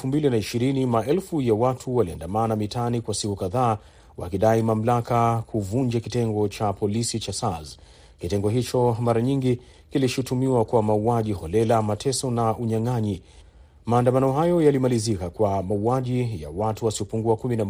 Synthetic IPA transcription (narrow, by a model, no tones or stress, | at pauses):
ɛfumbilinaiʃiɾinimaɛlfujawatʰuwalia̰ndamanamitanikwasikukaðaː | wa̰kiɗaimam̩lakakʰuvund͡ʒakitɛŋɡɔt͡ʃapɔlisit͡ʃasaz | kitɛŋɡɔɦit͡ʃɔmaɾaɲiŋɡi | kiliʃutumiwakwamauaʄihɔlɛlamatʰɛsɔnaʔuɲaŋaɲi | maːndamanɔɦajɔjalimalizikakwamauaʄija̰watuwasiɔpuŋɡuakumina